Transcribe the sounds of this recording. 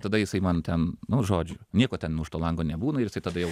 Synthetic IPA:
t̪ɐd̪ɐjɪsɐɪmɐnt̪ʲɛnnʊʒoːd͡ʒʲʊnʲiɛkoːtʲɛnnuːʃt̪oːlˠɐŋɡoːnʲɛbuːnɐɪɾjɪsɐɪt̪ɐd̪ɐjɛʊ

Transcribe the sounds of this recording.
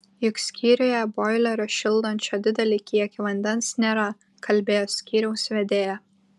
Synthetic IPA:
jʊksʲkʲiːɾʲojɛbɔɪlʲɛɾoʃʲɪlˠˑd̪ɐnʲt͡ʃʲoːd̪ʲɪd̪ʲɛlʲɪkʲiɛkʲiʋɐnʲd̪ʲɛnsnʲeːɾɐ | kʰɐlʲbʲeːjoːsʲkʲiːɾʲɛʊsʋʲɛd̪ʲeːjɛ

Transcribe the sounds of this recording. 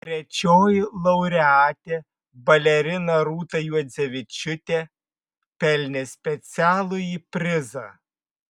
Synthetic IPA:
t̪ʲɾʲɛt͡ʃʲoːjɪlˠɐʊɾʲɛɑːt̪ʲe | bɐlʲɛɾʲɪnɐɾuːt̪ɐjuɔd̪zʲɛʋʲɪt͡ʃʲʊt̪ʲe | pʲɛlʲnʲesʲpʲɛt̪sʲæːlˠʊiːpʲɾʲɪzɐ

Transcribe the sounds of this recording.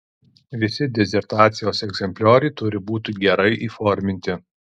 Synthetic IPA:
ʋʲɪsʲɪd̪ʲɛzʲɛɾt̪ɑːt̪sʲɪjoːsɛɡzʲɛmʲpʲlʲoːɾʲɐɪt̪ʊɾʲɪbuːt̪ʲɪɡʲɛɾɐɪʔiːfɔɾʲmʲɪnʲt̪ʲɪ

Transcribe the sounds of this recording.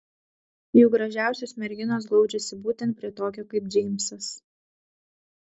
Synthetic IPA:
juːɡɾɐʒʲæˑʊsʲosmʲɛɾʲɡʲɪnoːsɡlˠɒʊd͡ʒʲɛsʲɪbuːt̪ʲɛnt̪̚pʲɾʲiɛt̪oːkʲoːkɐɪp̚d͡ʒʲɛɪmʲsɐs

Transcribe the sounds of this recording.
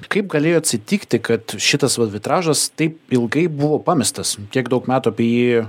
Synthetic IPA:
kɐɪp̚ɡɐlʲeːjoːɐt̪ʲsʲɪt̪ʲiːkt̪ʲɪkɐt̪ʃʲɪt̪ɐsʋɐd̪ʲʋʲɪt̪ɾɑːʒɐst̪ɐɪpɪlˠɡɐɪbʊʋoːpɑːmʲɪst̪ɐskʲiɛɡd̪ɐʊkmʲæːt̪uɐpʲiɛjiː

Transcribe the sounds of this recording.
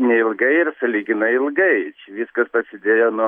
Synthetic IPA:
nʲɛɪlˠɡɐɪɪrsɐlʲiːɡʲɪnɐɪɪlˠɡɐɪt͡ʃʲɛʋʲiːskɐspɾɐsʲɪd̪ʲeːjoːnu

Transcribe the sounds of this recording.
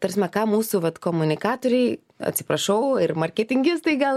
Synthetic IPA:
t̪ɐɾʲsʲmʲɛkɑːmuːsʊʋɐt̪koːmʊnʲɪkɑːt̪oːɾʲɛɪ | ɐ̰t̪ʲsʲɪ̥pɾɐʃɐʊɪrmɐɾʲkʲɛt̪ʲɪŋʲɡʲɪst̪ɐɪɡɐlˠ

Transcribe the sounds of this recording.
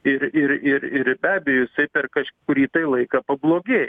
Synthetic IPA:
ɪɾɪɾɪɾɪɾbʲæːbʲɛjoːjɪsɐɪpʲɛrkɐʃʲkʊɾʲiːt̪ɐɪlˠɐɪkɐːpɐblˠoːɡʲeːj

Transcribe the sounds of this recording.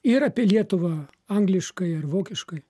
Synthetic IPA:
ɪɾɐpʲiɛlʲiɛt̪ʊʋɐ | ɐŋɡlʲɪʃkɐɪɐrʋoːkʲɪʃkɐɪ

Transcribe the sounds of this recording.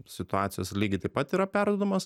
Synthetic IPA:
sʲɪt̪ʊɑːt̪sʲɪjoːslʲiːɡʲɪt̪ɐɪpɐt̪iːɾɐpʲæɾd̪oːd̪ɐmɐs

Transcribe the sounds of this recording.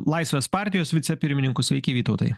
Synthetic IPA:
lˠɐɪsʲʋʲeːspɑˑɾʲt̪ʲɪjoːsʋʲɪt̪sʲɛpʲɪɾʲmʲɪnʲɪŋkʊsʲʋʲɛɪkʲeʋʲiːt̪ɒʊt̪ɐɪj

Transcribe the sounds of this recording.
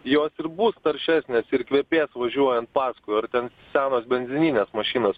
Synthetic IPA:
joːsɪɾbʊst̪ɐɾʲʃʲæːsʲnʲeːsɪrkʋʲeːpʲeːsʋɐʒʲuɔjɛnt̪̚pɑːskʊjɐrt̪ʲɛn | sʲæːnoːsbʲɛnʲzʲɪnʲiːnʲeːsmɐʃʲiːnos

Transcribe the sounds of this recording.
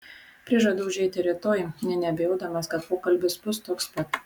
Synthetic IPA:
pʲɾʲɪʒɐd̪ɐʊʒʲɛɪt̪ʲɪɾʲɪt̪oːjɪnʲɛnʲɛɐbʲɛjɛʊd̪ɐmɐskɐt̪̚poːkɐlʲbʲɪsbʊst̪oːkspɐt̪

